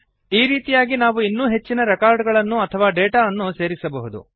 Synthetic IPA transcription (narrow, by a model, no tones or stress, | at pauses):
iːɾiːt̪ijaːɡinaːʋuinːuːɦe̞t͡ʃːinɐɾekaːɾɖɡɐɭɐnːuɐt̪ʰɐʋaːɖeːʈaːɐnːuse̞ːɾisɐbɐɦud̪ṵ